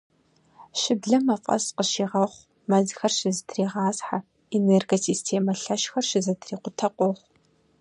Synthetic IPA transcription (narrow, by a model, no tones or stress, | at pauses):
ʃɪbɮɐmɐfʼɐ̰sqəʃiːʁɐχʷ | mɐzxɐrʃɪzɨtʰriːʁɑːzħa | eneːrɡosiːstʰeːmɐɬɐʃxɐrʃɪzɐtʰriːqʷʊtʰɐqʷʼɔχʷ